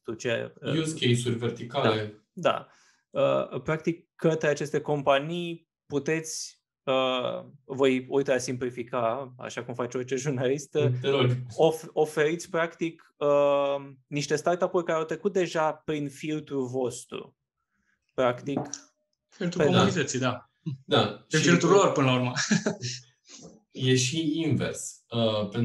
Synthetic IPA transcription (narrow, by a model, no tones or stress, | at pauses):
t̪ut͡ʃḛjuskejsurʲvert̪ikad̪ale | d̪a̰ | ə̰pɾak̚t̪ikːət̪ɾeat͡ʃe̞st̪e̞ko̞mpanij | put̪e̞t̪sʲ | ə | vo̞jojt̪əasimplifikaa̰ʃakumfat͡ʃo̞rt͡ʃe̞ʒurnalist̪ət̪eɾonofofe̞ɾit̪sʲpɾakt̪ik | ə | niʃt̪e̞st̪art̪apurʲkaɾeawt̪ɾekut̪̚d̪e̞ʒapɾinfilt̪ɾuvo̞st̪ɾṵ | pɾakt̪ik | filt̪ɾupekounit̪at̪sijd̪a | d̪aet͡ʃint̪ulorpɨnəlauɾmə | jeʃiinvḛrsəpe